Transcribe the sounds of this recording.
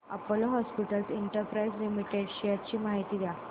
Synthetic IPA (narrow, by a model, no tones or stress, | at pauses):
əpoloɦɔspiʈəlsiɳʈəɾpɾaislimiʈeɖɕijat͡ɕiːmaɦit̪iːd̪a